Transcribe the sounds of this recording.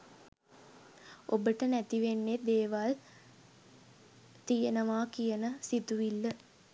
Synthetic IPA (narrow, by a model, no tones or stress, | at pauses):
obəʈənæt̪iʋenːed̪eːʋal | t̪ijənəʋaːkijənəsit̪uʋilːə